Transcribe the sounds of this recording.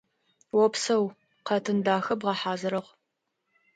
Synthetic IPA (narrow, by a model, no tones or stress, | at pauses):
wɔpsɐw | qɐtʰɨndaːxɐbʁɐħaːzɨɾɨʁ